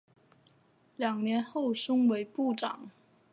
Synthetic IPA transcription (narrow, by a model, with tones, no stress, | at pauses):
ljɑ˨˩ŋnjɛ˧˥nxo˥˩ʊʂʊ˥ŋwe˧˥ɪpu˥˩ʈ͡ʂɑ̰˨˩˦ŋ